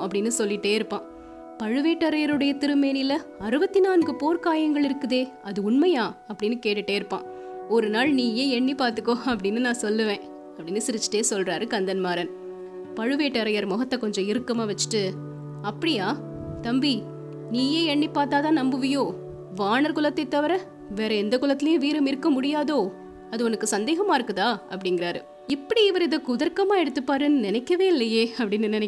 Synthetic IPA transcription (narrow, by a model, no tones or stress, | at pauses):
ɐpːɐɽɪnːɯsɔlːɪʈːeːɪɾɯpːãː | pɐɻɯʋeːʈːɐɾɐjɐɾɯɽɐjɐt̪ɪɾɯmeːnɪlːɐɐɾɯbɐt̪ːɪnaːnɡɯpoːɾkaːjɐŋɡɐɭɪɾɯkːɯðeː | ɐðɯʊɳmɐjaːɐpːɐɽɪnːɯkeːʈːɪʈːeːɪɾɯpːã̰ː | ɔɾɯnaːɭniːjeːɛɳːipaːɾt̪ɯkːõɐpːɐɽɪnːɯnãːsɔlːɯʋẽː | ɐpːɐɽɪnːɯsɪɾɯt͡ʃːɯ̥ʈːeːsɔlrɾaːɾɯkɐnd̪ɐnmaːɾɐn | pɐɻɯʋeːʈːɐɾɐjɐɾmɔɣɐt̪ːɐkɔɲd͡ʒɔ̃ɪɾɯkːɐmaːʋɐt͡ʃːɯ̥ʈːɯ | ɐpːɐɽɪjaː | t̪ɐmbi | niːjeːɛɳːipːaːt̪aːt̪ãːnɐmbɯʋɐjoː | ʋaːɳɐɾkʊlɐt̪ːɐɪt̪ːɐʋɐɾɐ | ʋeːɾɐɛnd̪ɐkʊlɐt̪ːɪlɐjʊ̃ʋiːɾɐmɪɾɯkːɐmʊɽɪjaːðoː | ɐðɯɔnɐkːɯsɐnd̪eːɣɐmaːɪɾɯkːɯt̪ãːɐpːɐɽɪŋɡɪɾaːɾɯ̰ | ɪpːɐɽiɪʋɐɾɪðɐkʊðɐɾkɐmaːɛɽɯt̪ːɯpːaːɾɯnːɯnɪnɛkːɐʋeːɪlːɐjeːɐpːɐɽɪnːɯnɪnɛ